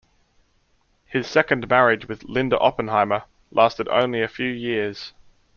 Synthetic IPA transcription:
hɪz̥sɛkə̃nmæɹɪd͡ʒwɪðlɪ̃ndə̰ʔɒpə̃nɦɑɪmə | lʔɑˑstɪɾə̰̃ʊ̃nliəfjʉːjɪəz̥

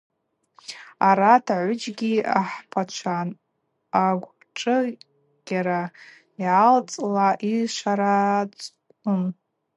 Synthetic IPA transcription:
aɾatʰaʕʷʊd͡ʒɡʲiaħpʰat͡ʃʷʰan | aɡʷ | ʈ͡ʂʼɨ | ɡ̥ʲaɾa | jalt͡sʼlaʔiʂʷaɾat͡sʼ | kʊn

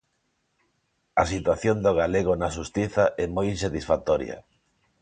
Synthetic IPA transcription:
ɐsit̪waθjond̪oɣ̞aleɣ̞onaʃ̬ust̪iθaʔɛmojins̬at̪isfat̪ɔɾj̰ɐ̰

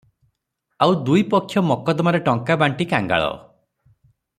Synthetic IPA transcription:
awd̪ujpɔkʰːjɔmɔkɔd̪ɔmaɾeʈɔŋkabaɳʈikaŋɡa̰ɭɔ̰

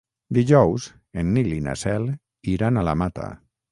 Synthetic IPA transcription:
d̪iʒɔwz | enːilina̰sɛl | iɾanalamat̪a̰

